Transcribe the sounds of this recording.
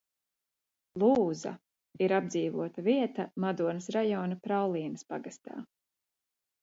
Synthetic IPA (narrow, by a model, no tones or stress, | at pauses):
lˠuːza̰ | iɾab̚d̪ziːvṵɔt̪aviɛt̪amad̪uɔnɐsɾajɔːnapɾawlˠiːnɐspaɡast̪a̰ː